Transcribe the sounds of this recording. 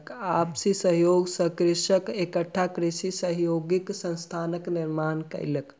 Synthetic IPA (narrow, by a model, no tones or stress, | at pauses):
kaːbsisəɦjoːɡsəkɾiʃəkekəʈʰːakɾisisəɦjoːɡiksə̃nst̪ʰaːnəkniɾmaːnkɐ̰ɪlək